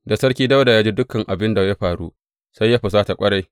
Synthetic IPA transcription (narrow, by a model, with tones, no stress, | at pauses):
da˨sɐ˦ɽkʲiː˦da˦wda˨jaː˦d͡ʒi˦dʊ˦kːɐ˨ŋʔa˨bɪ˦nda˨ja˦ɸaː˨ɽuː˦ | sa˦jːa˦ɸa˨s̬aː˦ta˨kʷʼɐ˦ɽa˦j